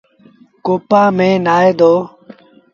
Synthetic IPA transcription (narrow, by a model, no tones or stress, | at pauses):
koːpaːmẽːnaːeːd̪oː